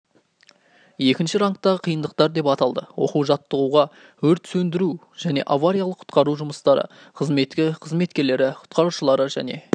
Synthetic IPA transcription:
je̞kʲɪnʃɪɾɑŋk̚t̪ɑʁəqʰijənd̪əq̚t̪ɑɾd̪e̞pɑt̪ɑlˠd̪əwo̞̰quwʒɑt̪ːəʁuʁɑ | wɵɾt̪sɵnd̪ɪɾu | ʒ̥æne̞̰ʔavaɾijalˠəqʰʊ̥t̪qɑɾuʒʊməst̪ɑɾə̰ | qʰəzme̞t̪kʲɪqʰəzme̞t̪kʲe̞ɾle̞ɾɪqʰʊ̥t̪̚qɑɾuʃəlˠɑɾəʒæ̰ne̞̰

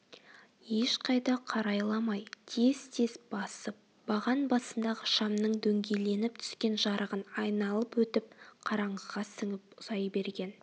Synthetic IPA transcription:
jeʃqʰɑjd̪ɑqʰɑɾɑjlˠɑmɑjt̪ʰe̞zt̪ʰe̞sb̥ɑsəp̚ | bɑʁɑnbɑsənd̪ɑʁəʃɑmnəɴd̪ɵŋɡʲe̞jle̞nɪp̚t̪ʰʏ̥skʲe̞nʒɑɾəʁənɑjnɑlˠəpwɵt̪ɪp̚qʰɑɾɑɴəzʁɑsɪŋɪpʊz̥ɑjbe̞ɾɡʲe̞n

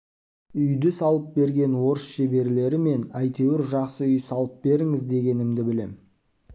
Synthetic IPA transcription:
ʏjd̪ɪsɑlˠəp̚be̞ɾɡʲe̞nwo̞ɾəsʃe̞be̞ɾle̞ɾɪme̞næjt̪e̞wɪɾʒɑqsəʏjsɑlˠəp̚be̞ɾɪŋɪzd̪e̞ɡʲe̞nɪmd̪ɪbɪle̞̰m

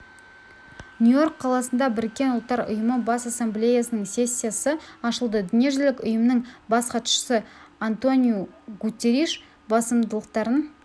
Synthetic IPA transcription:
nʲujo̞ɾqʰːɑlˠɑsənd̪ɑbɪɾɪkʲːe̞nʊlˠt̪ːɑɾʊ̰jəməbɑsasːemblʲe̞jasənəɴse̞sʲːijasəɑʃəlˠd̪əd̪ʏnje̞ʒɪlɪkʲʊjəmnəɴbɑsqʰɑt̪ʃə̥səant̪o̞nʲijuɡut̪ʲːeɾiʃ | bɑsəmd̪əlˠəqt̪ɑɾən

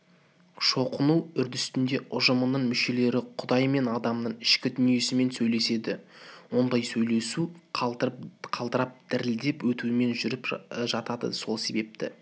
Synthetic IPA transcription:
ʃo̞qənuʏɾd̪ɪst̪ɪnd̪e̞ʔʊʒəmənəɴmʏʃe̞le̞ɾɪqʰʊd̪ɑjme̞nɑd̪ɑmnəɴɪʃkʲɪd̪ʏnije̞sɪme̞nsɵjle̞se̞d̪ɪwo̞nd̪ɑjsɵjle̞su | qʰɑlˠd̪əɾɑp̚d̪̥ɪɾɪld̪e̞pwɵt̪uɪme̞nʒʏɾɪpʒɑt̪ɑd̪ə̰so̞lˠse̞be̞p̚t̪ɪ̰

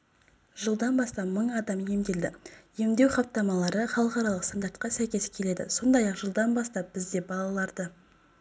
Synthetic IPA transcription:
ʒəlˠd̪ɑnbɑst̪ɑpməɴɑd̪ɑmje̞md̪e̞ld̪ɪje̞md̪e̞wχɑp̚t̪ːɑmɑlˠɑɾəχɑlˠəqɑɾɑlˠəqst̪and̪aɾt̪qɑsæjkʲe̞skʲʰe̞le̞d̪ɪ̰so̞nd̪ɑjɑqʒəlˠd̪ɑnbɑst̪ɑp̚b̥ɪzd̪e̞bɑlˠɑlˠɑɾd̪ə

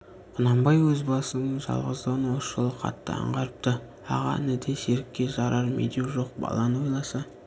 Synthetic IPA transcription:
qʰʊnɑmbɑjwɵzbɑsənəɴʒɑ̰lˠʁəzd̪əʁənwosʃəlˠəqʰɑ̰t̪ːəɑ̰ɴʁɑɾəp̚t̪ə | ɑ̰ʁɑ̰ɪ̰nɪd̪e̞seɾɪkʲːe̞ʒɑɾɑɾmʔḛd̪ewʒo̞q̚bɑ̰lˠɑnwo̞jlˠɑsɑ

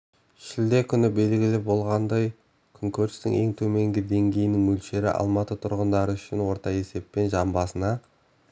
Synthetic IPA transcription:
ʃɪld̪e̞kʲʰʏnɪbe̞lɡʲɪlɪbo̞lˠʁɑnd̪ɑj | kʲʰʏŋkʲʰɵɾst̪ɪ̰ŋe̞ŋt̪ʰɵme̞ŋɡʲɪd̪e̞ŋɡʲe̞jɪnɪŋmɵlʃe̞ɾɪ̰ʔɑ̰lˠmɑt̪ət̪ʰʊɾʁənd̪ɑɾəʏʃɪnwo̞ɾt̪ɑe̞se̞pːe̞nʒɑmbɑsənɑ

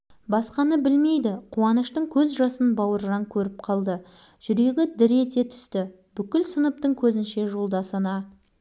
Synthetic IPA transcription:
bɑsqɑnəbɪlme̞jd̪ɪqʰuɑnəʃt̪əɴkʲʰɵzʒɑsənbɑwəɾʒɑŋkʲʰɵɾɪp̚qʰɑlˠd̪ə | ʒ̥ʏɾe̞ɡʲɪd̪ɪɾe̞t̪e̞t̪ʰʏ̥st̪ɪ | bʏkʲɪlsənəp̚t̪əɴkʲʰɵzɪnʃe̞ʒo̞lˠd̪ɑsənɑ

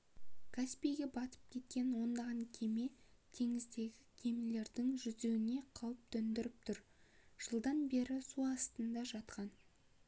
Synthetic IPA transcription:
kʰaspijɡʲe̞bɑt̪ə̥p̚kʲʰe̞t̪̚kʲe̞nwo̞nd̪ɑʁɑŋkʲʰe̞me̞t̪ʰe̞ŋɪzd̪e̞ɡʲɪkʲʰe̞mle̞ɾd̪ɪŋʒʏzewɪne̞qʰɑwəp̚t̪ʰɵnd̪ɪɾɪp̚t̪ʰʊɾ | ʒ̥əlˠd̪ɑnbe̞ɾɪsuɑst̪ənd̪ɑʒɑt̪qɑn

